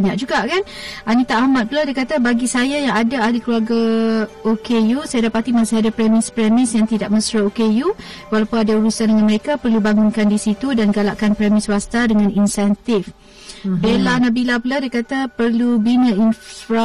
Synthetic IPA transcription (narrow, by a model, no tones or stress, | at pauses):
ɲaʔ̚d͡ʒuɡaʔkanʔanit̪aʔamat̪̚pulahdajkat̪abaɡisajajaŋadaadikluaɡaokejusajadapat̪imasiɦadapɾemɪspɾemɪsjaŋt̪idaʔ̚mə̃sɾəokeju | walapʊnadauɾusandəŋanməɾekapərlubaŋunkandisit̪udanɡalaʔkanpɾemɪswast̪adəŋãninsɛnt̪ɪf | belanabilapuladajkat̪apərlubinə̃infɾa